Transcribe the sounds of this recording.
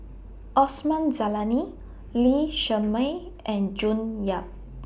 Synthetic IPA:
ʔɔsmãnzalani | liʃəməj | ʔɛ̃nd͡ʒunjap̚

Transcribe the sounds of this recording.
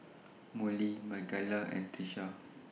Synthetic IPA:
mulimaɡalaʔɛ̰̃nt̪iʃa

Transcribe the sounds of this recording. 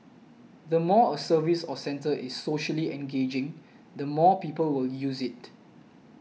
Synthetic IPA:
dəmɔəsəvisɔsɛ̃ntəʔɪsːoʃəliɛ̃nɡed͡ʒɪ̃ŋ | d̪əmɔpiːpəlwɪljusɪt̚

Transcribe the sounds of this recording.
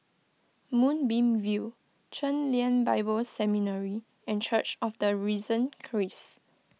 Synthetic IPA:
mũnbĩmvu | t͡ʃə̃nliə̃nbaɪbəlsɛminəɹi | ɛ̃nt͡ʃət͡ʃɔfdəɹizə̃nkʰɹis

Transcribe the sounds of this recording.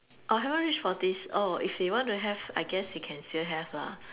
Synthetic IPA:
ʔaɦɛvə̃nɹit͡ʃfɔdisoifdewɔ̃ntuɦɛva̰ɪɡɛsdekʰɛ̃nstilɦɛvla̰

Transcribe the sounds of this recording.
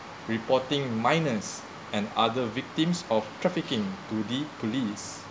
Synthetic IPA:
ɹipɔtɪ̃ŋmãjnəs | ɛ̃na̰dəvik̚tĩmsɔftɹɛfikɪ̃ŋtudipʰolis

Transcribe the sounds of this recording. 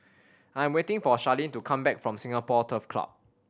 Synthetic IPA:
ãj̃mwetɪ̃ŋfɔʃalĩntukʰãmbɛk̚fɹɔ̃msĩŋapɔtʰəfkʰla̰p̚

